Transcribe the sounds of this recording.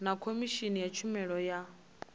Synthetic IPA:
nakʰomiʃinijɛt͡ʃʰumɛɺɔja

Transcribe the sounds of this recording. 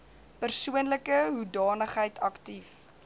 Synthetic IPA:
pərsuənləkəɦudɑːnəχɦəjtʰɐktif

